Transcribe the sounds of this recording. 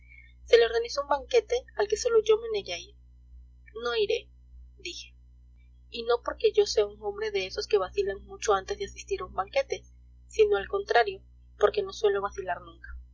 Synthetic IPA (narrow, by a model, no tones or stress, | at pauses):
se̞leo̞ɾɣanisoumbaŋke̞t̪e̞alke̞soloʝo̞meneʝai | no̞iɾe̞ | d̪ixe̞̥ | ino̞po̞ɾke̞ʝo̞seauŋõ̞mbɾe̞ðe̞eso̞ske̞βasilaŋmut͡ʃo̞ant̪e̞zðeasist̪iɾaumbaŋke̞t̪e̞ | sino̞alko̞nt̪ɾaɾjo̞ | po̞ɾke̞no̞swe̞lo̞βasilaɾnũŋkḁ